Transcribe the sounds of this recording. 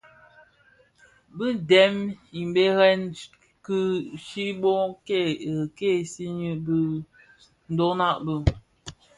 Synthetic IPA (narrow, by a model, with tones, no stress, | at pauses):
bɨ˦dɛ˨˦mi˨m˨be˦ɣɛ˦n | kɨ˦ʃi˦bo˦ke˦˨ə˨ke˦˨si˦ɲi˦bɨ˦ | n̩˦do˦na˦˨ʔbɨ˦